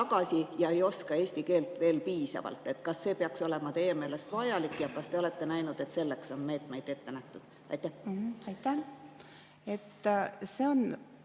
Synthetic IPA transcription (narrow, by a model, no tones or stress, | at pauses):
ɑɡ̥ɑsijɑe̞jo̞skɑeːsʲt̪ike̞ːlt̪ˑve̞ːlpiːsɑ̰vɑ̰lt̪ːˑe̞t̪ːkɑsːe̞ːpeɑkso̞le̞mɑt̪e̞jːe̞me̞ːle̞st̪vɑjɑlikːˑjɑkɑst̪e̞ole̞t̪ːe̞næjnud̪̥e̞t̪se̞lːe̞kso̞nme̞ːt̪me̞jd̪e̞t̪ːe̞næht̪ud̪̥ | ɑ̰jt̪ːˑæhɑjt̪ːæ | et̪ːseon